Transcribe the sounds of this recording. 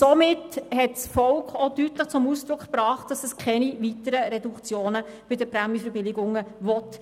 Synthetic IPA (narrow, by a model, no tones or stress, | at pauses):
somɪthɛtsfɔlkχɔdytləχt͡sʊmusd̥ɾʊkχpɾɑːχt̚d̥ɑsɛskʰɛniʋitəɾəɾɛdukt͡sjoːnə | b̥ɪdəpɾɛmifəɾbɪlɪɡʊŋəʋɔt